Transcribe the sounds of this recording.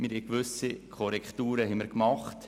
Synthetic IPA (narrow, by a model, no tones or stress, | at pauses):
mɪɾhɛkʋʏsikʰɔɾɛkχtuːɾəɦɛməɾkmɑχt